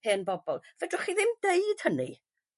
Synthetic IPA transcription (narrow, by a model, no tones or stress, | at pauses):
eːənbɔbɔlˠvɛdrʊχiðɪmdeɨd̥hənḭ